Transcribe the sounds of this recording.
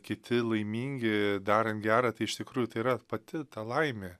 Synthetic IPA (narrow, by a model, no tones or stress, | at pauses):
kʲɪt̪ʲɪlˠɐɪmʲiːŋʲɡʲɪd̪ɑːɾʲɐnt̪ɡʲæːɾɐt̪ɐɪɪʃt̪ʲɪkɾuːjʊt̪ɐɪiɾɐpɐt̪ʲɪt̪ɐlˠɐɪmʲe